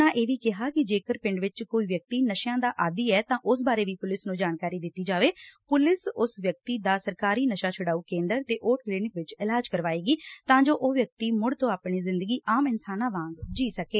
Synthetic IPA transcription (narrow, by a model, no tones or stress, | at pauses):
ãːʔeːʋiːkɪɦaːkɪd͡ʒeːkəɾpɪ̃ɳɖʋɪt͡ʃkoːiːʋjək̚t̪iːnəʃjãːd̪aːʔaːd̪iːɛːt̪ãːʔʊs̬baːɾeːʋiːpʊlɪsnũːd͡ʒaːnkaːɾiːd̪ɪt̪ːiːd͡ʒaːʋeːpʊlɪsʊsʋjək̚t̪iːd̪aːsəɾkaːɾiːnəʃaːt͡ʃʰʊɽaːuːkẽːnd̪əɾt̪eːʔoːʈ̚kliːnɪkʋɪt͡ʃɪlaːd͡ʒkəɾʋaːeːɡiːt̪ãːd͡ʒoːʔoːʋjək̚t̪iːmʊɽt̪õːaːpɳiːzɪ̃nd̪əɡiːʔaːmɪnsaːnãːʋãːŋɡd͡ʒiːsəkeː